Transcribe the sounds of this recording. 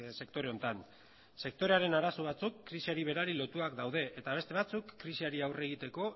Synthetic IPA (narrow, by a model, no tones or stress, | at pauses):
se̞kt̪o̞ɾe̞o̞nt̪an | se̞k̚t̪o̞ɾe̞aɾe̞naɾasoβ̞at͡sukːɾisiaɾiβ̞e̞ɾaɾilo̞t̪uakd̪awðe̞ʔet̪aβe̞st̪e̞β̞at͡sukːɾisiaɾiawre̞ɣ̞it̪e̞ko̞